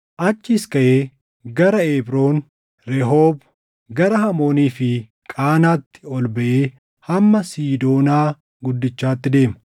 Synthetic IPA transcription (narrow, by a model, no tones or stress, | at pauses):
ʔɐt͡ʃːɪɪskɐʔeː | ɡɐɾɐeːbɾo̞ːn | ɾɛɦoːb | ɡɐɾɐhɐmo̞ːniːfɪ | kʼaːnaːt̪ːɪ̥ɔlbɐʔeː | hɐmːɐsiːd̪o̞ːnaː | ɡʊd̪ːɪt͡ʃːaːt̪ːɪd̪e̞ːmɐ̥